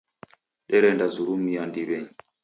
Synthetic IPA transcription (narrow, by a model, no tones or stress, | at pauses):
ɗɛɾɛndazuɾumijandibɛɲ